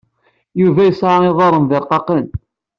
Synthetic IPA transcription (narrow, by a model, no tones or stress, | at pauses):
juvæjəsʕaɪðˤɑɾˤənðəɾqɑqən